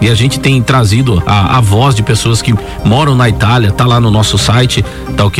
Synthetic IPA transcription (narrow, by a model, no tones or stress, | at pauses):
ɪaʒẽnt͡ʃɪ̥t̪ẽj̃t̪ɾazid̪ʊa̰a̰vɔzd͡ʒɪpesoɐskɪ | mɔɾɐ̃w̃nɐit̪aljɐt̪alanʊnɔsʊsajt͡ʃɪ | t̪aʊk